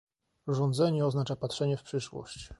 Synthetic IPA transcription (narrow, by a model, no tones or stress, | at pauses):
ʐɔnd̪zɛɲɛɔznat͡ʂapatʂɛɲɛfpʂɘʂwɔ̰ɕt͡ɕ